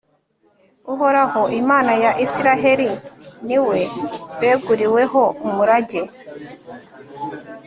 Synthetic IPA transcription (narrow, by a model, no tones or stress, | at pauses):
uɦɔɾahɔʔimanajaʔisiɾaɦeɾiniwebɛɡuɾiwɛɦɔmuɾad͡ʒe